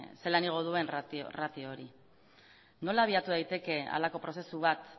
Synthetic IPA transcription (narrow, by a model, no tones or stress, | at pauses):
se̞laniɣ̞o̞ðue̞nrao̰rat̪ioɾi | no̞laːβ̞iat̪uðajt̪e̞ke̞a̰lako̞pɾo̞se̞suβat̪